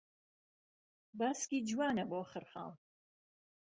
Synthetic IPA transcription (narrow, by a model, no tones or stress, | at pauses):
baːskid͡ʒwaːnɐbɔχəɾχa̰l